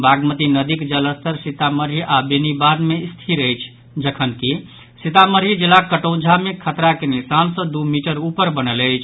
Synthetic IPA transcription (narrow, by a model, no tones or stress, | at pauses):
baɡmət̪inəd̪ikd͡ʒələst̪ʰəɾsit̪aməɾiʔabenibad̪mest̪ʰiɾəjt͡ʃʰ | d͡ʒəkʰənki | sit̪aməɾid͡ʒelakəʈəwd͡ʒʱamekʰət̪ɾakenisansəd̪umiʈəɾupəɾbənələjt͡ʃʰ